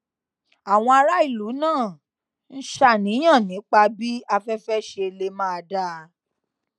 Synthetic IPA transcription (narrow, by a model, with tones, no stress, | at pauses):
a˨w̃ɔ̃˧a˧ɾa˦i˦˨lu˨˦nãː˦˨ | n̩˦ʃa˦˨nĩ˨˦j̃ã˦˨nĩ˨˦k͡pa˧bi˦a˧fɛ˦fɛ˦ʃe˧le˧˦mãː˦a˧da˦˧